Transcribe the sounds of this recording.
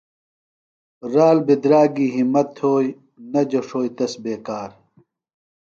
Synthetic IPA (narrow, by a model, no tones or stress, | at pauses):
ɾaːlbid̪ɾaːɡiːɦimɐt̪ʰoːj | nɐd͡ʑɐʂoːjt̪ɐsbeːkaːɾ